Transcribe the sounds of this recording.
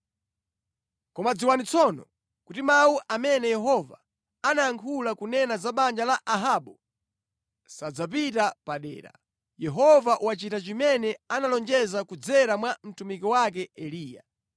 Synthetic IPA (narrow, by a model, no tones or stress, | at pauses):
kɔmad͡ziwanit͡sʰɔnɔ̰ | kutimauʔamɛnɛjɛɦɔva̰ | anajaŋkʰulakunɛnazaɓand͡ʒalaʔaɦaɓɔ | sad͡zapitapaɗɛ̰ːɾa̰ | jɛɦɔvaʔuwat͡ʃitat͡ʃimɛnɛanalɔnd͡ʒɛzakud͡zɛɾamwam̩tumikiwak̬ɛɛliːja̰